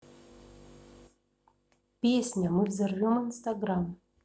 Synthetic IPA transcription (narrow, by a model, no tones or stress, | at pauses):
pʲesʲnʲamɨvzʲərvʲomɨnst̪aɡɾam